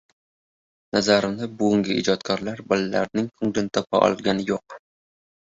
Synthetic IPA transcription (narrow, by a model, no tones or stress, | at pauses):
nazaɾɪmlɪbʊɡʲʊŋɡʲɪḭd͡ʒɒt̪kʰɒɾlaɾbɒllːaɾnɪŋkʰʊŋlɪnt̪ʰɒpʰaʔɒ̰lˠɡʲanɪjoq̚